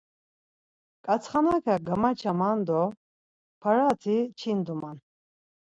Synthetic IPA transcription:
kʼat͡sʰχanakʰaɡamat͡ʃʰamand̪ɔ | pʰaɾat̪ʰit͡ʃʰind̪uman

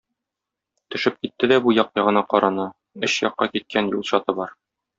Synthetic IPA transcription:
t̪ɵ̆ʃɘp̚kit̪ːɘd̪æbujɒq̚jɒʁɤ̆nɑqɒɾʔɑnɤ | ɘɕjɒqːɑkit̪̚kænjulˠɕɒt̪ɤbɒɾ

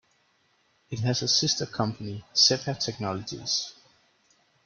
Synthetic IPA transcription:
ɪt̚ɦæzəsɪstəkʰʌ̃mpʰənisɛpʰətʰɛk̚nɒləd͡ʒḭz̥

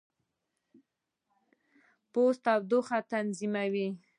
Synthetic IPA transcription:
post̪awd̪ʊxat̪anzimawi

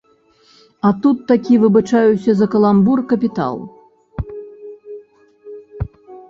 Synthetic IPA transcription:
ɐt̪ut̪ːakʲivɨbɨt͡ʂajusʲɐzɐkɐlˠamburkɐpʲit̪a̰lˠ

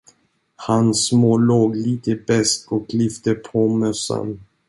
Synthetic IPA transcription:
hansmoːloːɡliːt̪əbɛst̪ɔklʏft̪əpʰomœsa̰n

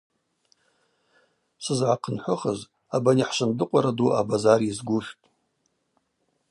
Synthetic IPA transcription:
sɨzʕaqʰənħʷʊχəz | abaniħʃʷɨndɨqʷʼaɾaduʔabazarizɡʷuʃtʼ

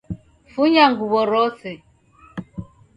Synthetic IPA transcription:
fuɲaŋɡuβɔɾɔsɛ

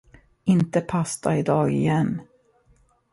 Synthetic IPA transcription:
ɪnt̪əpʰast̪a̰ɪd̪ɑːɡɪ̰jɛnː

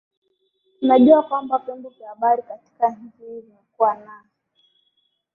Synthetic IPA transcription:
n̩naʄuakwambapɛmbuvjahaɓaɾikati̥kaɲ̩t͡ʃihilimɛkuwanasi̥

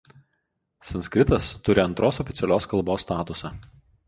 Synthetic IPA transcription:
sɐnsʲkʲɾʲɪt̪ɐst̪ʊɾʲɪɐnt̪ɾoːsɔfʲɪt̪sʲɛlʲoːskɐlˠboːsːt̪ɑːt̪ʊsɑː

